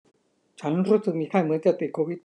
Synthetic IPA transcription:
t͡ɕʰa˦˥nɾuː˦˥sɯ˨˩k̚miː˧kʰaː˥˩jmɯ˨˦ənt͡ɕa˨˩t̪i˨˩kʰoː˧wi˨˩

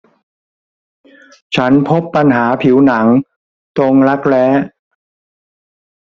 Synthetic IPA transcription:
t͡ɕʰa˦˥npʰo˦˥pːa˧nɦaː˩˦pʰi˩˦wna˩˦ŋ | t̪o˧ŋɾa˦˥k̚lɛː˦˥

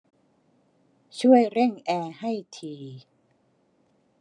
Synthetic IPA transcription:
t͡ɕʰu˥˩əjɾe˥˩ŋʔɛː˧ha˥˩jt̪ʰiː˧

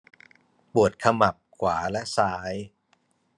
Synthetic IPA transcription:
pu˨˩ət̪̚kʰa˧ma˨˩p̚kʰwaː˩˦lɛ˦˥ʔsaː˦˥j

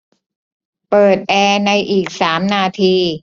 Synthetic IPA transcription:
pɤː˨˩t̪̚ʔɛː˧na˧jʔiː˨˩k̚saː˩˦mnaː˧t̪ʰiː˧

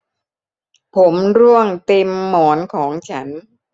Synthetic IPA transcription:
pʰo˩˦mɾu˥˩əŋt̪e˧mːɔː˩˦nkʰɔː˩˦ŋt͡ɕʰa˦˥n

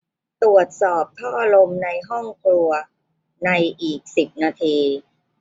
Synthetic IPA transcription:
t̪u˨˩ət̪̚sɔː˨˩p̚t̪ʰɔː˥˩ʔa˧ɾo˧mna˧jɦɔ˥˩ŋkʰlu˧ɐ | na˧jʔiː˨˩k̚si˨˩p̚naː˧t̪ʰiː˧

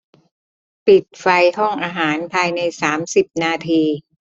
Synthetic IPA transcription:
pi˨˩t̪̚fa˧jhɔ˥˩ŋʔaː˧ɦaː˩˦npʰaː˧jna˧jsaː˩˦msi˨˩p̚naː˧t̪ʰiː˧

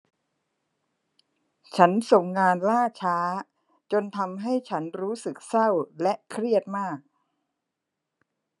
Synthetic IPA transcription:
t͡ɕʰa˦˥nso˨˩ŋːaː˧nlaː˥˩t͡ɕʰaː˦˥ | t͡ɕo˧nt̪ʰa˧mɦa˥˩jt͡ɕʰa˦˥nɾuː˦˥sɯ˨˩k̚sa˥˩wlɛ˦˥ʔkʰɾi˥˩ət̪̚maː˥˩k̚

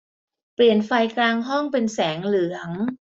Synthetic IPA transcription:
pli˨˩ənfa˧jklaː˧ŋɦɔ˥˩ŋpe˧nsɛː˩˦ŋlɯ˩˦əŋ

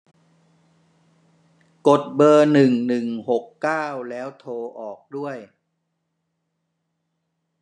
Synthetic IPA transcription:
ko˨˩t̪̚bɤː˧nɯ˨˩ŋnɯ˨˩ŋho˨˩kːaː˥˩wlɛː˦˥wt̪ʰoː˧ʔɔː˨˩k̚du˥˩əj

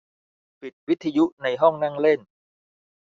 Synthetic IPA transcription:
pi˨˩t̪̚wi˦˥t̪ʰːa˧ju˦˥na˧jɦɔ˥˩ŋnaː˥˩ŋle˥˩n

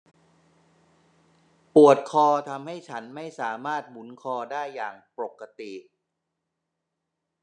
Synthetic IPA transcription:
pu˨˩ət̪̚kʰɔː˧t̪ʰa˧mha˥˩jt͡ɕʰa˦˥nma˥˩jsaː˩˦maː˥˩t̪̚mu˩˦nkʰɔː˧daː˥˩jːaː˨˩ŋpɾo˨˩kːa˧t̪i˨˩

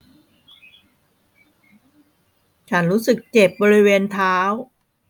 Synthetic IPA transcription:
t͡ɕʰa˦˥nɾuː˦˥sɯ˨˩k̚t͡ɕe˨˩p̚bɔː˧ɾi˦˥weː˧nt̪ʰaː˦˥w

